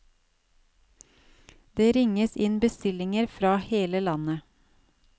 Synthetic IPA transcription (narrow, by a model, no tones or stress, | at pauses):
d̪eːɾɪŋəsɪnbəst̪ɪlɪŋəɾfɾɑːheːləlɑnə